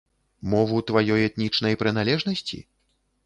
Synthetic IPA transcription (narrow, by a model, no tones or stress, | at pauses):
mɔvut̪vajɔjɛt̪̚nʲit͡ʂn̪ɐjpɾɨn̪alʲɛʐnɐsʲt͡sʲḭ